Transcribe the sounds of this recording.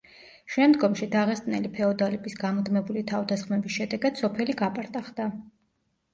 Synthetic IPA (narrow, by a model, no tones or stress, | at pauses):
ʃɛmd̪ɡɔmʃid̪aʁɛst̪ʼnɛlipʰɛɔd̪alɛbʼisɡamd̪mɛbulit̪ʰavd̪asχmɛbisʃɛd̪ɛɡad̪sɔpʰɛliɡapʼaɾt̪ʼaχd̪a